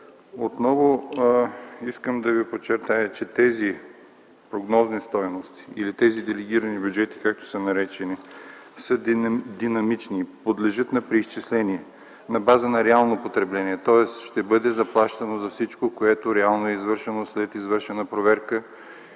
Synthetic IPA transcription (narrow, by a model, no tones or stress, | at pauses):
ot̪nɔvo | iskəmd̪ɐvipot͡ʃːɛɾt̪ajət͡ʃɛt̪ɛzi | pɾoɡnɔznist̪ɔjnost̪i̥ːlit̪ɛzid̪ɛlɛɡ̟iɾɐnibʲjud͡ʒɛt̪i̥kak̚t̪o̥sənɐɾɛt͡ʃɛnisəd̪inɐmit͡ʃnipod̪lɛʒɤt̪nɐpɾiːst͡ʃɛslɛniɛ | nɐbazənɐɾɛalˠnopot̪ɾɛblɛniɛt̪ɔɛsʃt̪ɛbɤd̪ɛzɐplˠaʃt̪ɐnozɐfsit͡ʃkokoɛt̪oɾɛalˠnoɛizvɤɾʃɛnoslɛt̪izvɤɾʃɛnɐpɾovɛɾkə